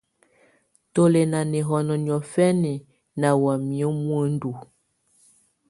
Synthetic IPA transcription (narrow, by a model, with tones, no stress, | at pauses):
to˦le˨na˨ne˨ɦɔ˨nɔ˨ɲ˨ɔ˨fɛ˦ne˨ | na˨wa˨mi˨o˦mwə˦n˦du˨